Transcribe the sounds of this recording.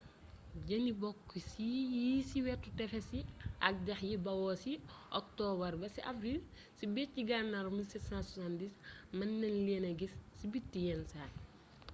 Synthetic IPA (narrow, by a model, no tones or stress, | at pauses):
ɟɐnibɔkːisijisiwɛtːutɛfɛsiɐk̚dɛxjibɐwɔsiʔɔk̚tɔːbɐrbɐsiʔavɾil | sibɛɟiɡanːɐɾmilsɛtsãnsasandismɐnːɛnlɛnɐɡisːibitːijɛnsaː